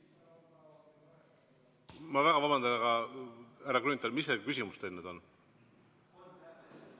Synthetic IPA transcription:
mɑvæɡ̥ɑvɑbɑnd̪ɑnɑɡɑ | æɾɑkɾynit̪ˑɑlmisːekysʲimust̪elned̪̥o̞n

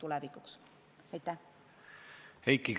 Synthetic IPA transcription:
t̪ulɛvikːˑuks | ɑjt̪ːˑæ | hejkːik

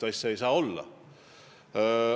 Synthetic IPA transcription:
t̪ɑjsɑejsɑːo̞lːɑ̰

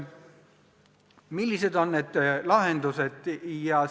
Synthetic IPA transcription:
milʲːise̞d̪o̞nːed̪̥lɑɦend̪used̪̥jɑ

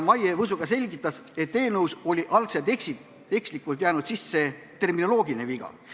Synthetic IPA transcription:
mɑjevɤsuɡ̥ɑse̞lʲɡit̪ˑːɑse̞t̪ːe̞ːnɤwso̞lʲiʔɑlkset̪eksit̪ː | e̞kslikːˑult̪̬jæːnud̪̥sisːe̞ | t̪e̞rmino̞lo̞ːɡine̞viɡ̥ɑ̰

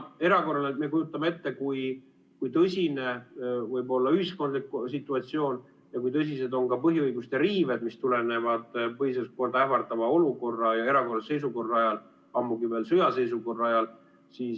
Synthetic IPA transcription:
e̞ɾɑko̞rɑleme̞kujut̪ːˑɑmee̞t̪ːe̞kuj | kujt̪ɤsʲine̞vɤjbo̞lːɑyhisko̞nd̪liksit̪ːˑuɑt̪sio̞ːn | jɑkujt̪ɤs̬ʲise̞d̪o̞nkɑpɤɦiɯjɡust̪eɾiːve̞d̪̥mist̪ulene̞vɑd̪̥pɤɦisest̪̚ko̞rd̪ɑæfɑrt̪ɑvɑo̞luko̞rːɑjɑe̞ɾɑko̞rːɑsejs̬uko̞rːɑɑjɑl | ɑmːuɡive̞ːlsyjɑse̞jsuko̞rːɑjɑl | siːs

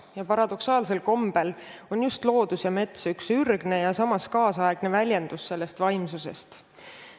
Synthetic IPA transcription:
jɑpɑɾɑd̪̥o̞ksɑːlse̞lko̞mb̥elo̞njust̪lo̞ːd̪̥usjɑme̞t̪syksyrɡ̥ne̞jɑsɑmɑskɑːsɑeɡ̥ne̞vælʲjend̪̥usːe̞lːe̞st̪vɑjmsuse̞̰st̪

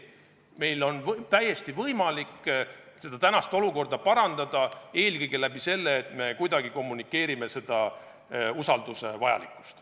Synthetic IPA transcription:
me̞jlo̞nvt̪æjːe̞st̪ivɤjmɑlikːse̞d̪ɑt̪ænɑst̪o̞luko̞rd̪ɑpɑɾɑnd̪̥ɑd̪̥ɑe̞ːlkɤjɡ̥e̞læb̥ise̞lːeːt̪ˑme̞kujd̪̥ɑɡ̥iko̞mːunikːe̞ːɾime̞se̞d̪̥ɑ | usɑld̪̥use̞vɑjɑ̰lḭkːˑu̥st̪

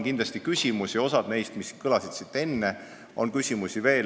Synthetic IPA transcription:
kind̪lɑsʲt̪ikysʲimusio̞sɑd̪̥ne̞jst̪miskɤlɑsid̪̥sit̪ːˑe̞nːe | ʔo̞̰nkysʲimusʲive̞ːl

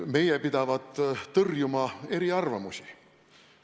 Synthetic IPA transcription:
me̞jepid̪̥ɑvɑd̪̥t̪ɤrjumɑe̞ɾiɑrvɑmusi̥

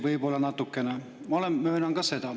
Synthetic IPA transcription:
ʋɯipolːɑnɑt̪ːˑukːene | mɑolemmøːnɑŋɡ̥ɑset̪ɑ

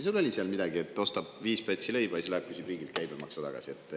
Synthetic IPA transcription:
isulo̞lʲiseɑlmid̪̥ɑɡ̥ie̞t̪ːˑo̞st̪ɑb̥viːspøt̪ʲsilejb̥ɑjselɑk̚kysʲibriːɡilt̪̚kæjbemɑ̰ksɑt̪ɑ̰ɡ̥ɑ̰siet̪ːˑ

